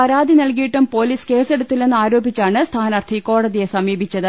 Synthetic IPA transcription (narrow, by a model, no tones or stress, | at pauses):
pɐɾaːd̪inɐlk̬ijiʈːumpo̞ːliːske̞ːse̞ɽut̪ːilne̞nːɨaːɾo̞ːbit͡ɕːaːɳɨst̪ʰaːnɐrt̪ʰiko̞ːɽɐðije̞sɐmiːbʱit͡ɕːɐðɨ